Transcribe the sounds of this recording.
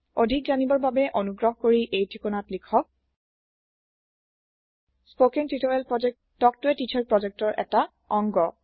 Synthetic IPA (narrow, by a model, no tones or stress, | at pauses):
odʱikzanibɔɹbabɛʔonuɡɹɔɦkoɹiʔejtʰikɔnatlikʰɔk̚ | spokɛŋtɹitɔɹɛlpɹɔzɛk̚ | tːɔk̚tʊɛtitʰɔɹpɹɔzɛk̚tɔɹʔɛ̰ta | ɔŋɡɔ